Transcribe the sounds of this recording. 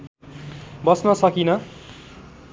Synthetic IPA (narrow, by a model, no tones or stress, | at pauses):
bʌsnʌsʌkinʌ